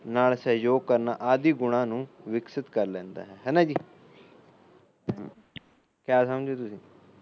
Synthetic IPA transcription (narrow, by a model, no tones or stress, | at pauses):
naːlsəɦjoːɡ̚kəɾna̰ːʔaːd̪iːɡʊɽãːnũːʋɪksɪt̪kəɾlɛ̃ːnd̪a̰ːɦɛːɦɛːnãːd͡ʒiː | kjaːsəmd͡ʒeːt̪ʊsĩː